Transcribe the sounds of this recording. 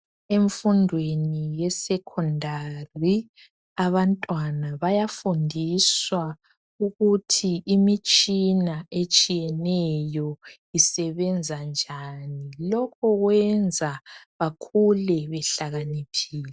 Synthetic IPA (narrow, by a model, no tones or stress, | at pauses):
eɱfundʱwenijɛsɛkʰɔndʱari | aβantʼwanaβajafundʱiswa | uɣutʰiʔimit͡ʃʼinaet͡ʃʼijɛnɛjɔ | isɛβɛnd͡zʱand͡ʒʱaːnilɔkʰɔɣwɛnd͡zʱaβakʰulɛβɛɬaɣanikʰiːlɛ